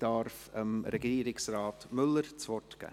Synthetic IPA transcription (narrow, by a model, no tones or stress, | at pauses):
d̥aɾfəmɾɛɡiːɾɪksraːtmʏləɾt͡svɔtɡ̥a̰